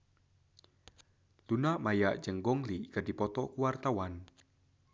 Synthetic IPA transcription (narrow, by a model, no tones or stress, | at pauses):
lunaʔmajaʔd͡ʒəŋɡɔŋlikəd̥ipɔt̪ɔkuwart̪awan